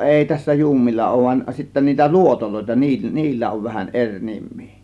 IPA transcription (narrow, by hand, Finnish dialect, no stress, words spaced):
ʔeˑi tæsːæ juːmːilːɑ oˑŭʋ ʋɑn sitːæ niːtæ luotoloˑe̝tɑ niː niːlːæ oʋ ʋæhæʔ ʔerʲ nimˑi̥ː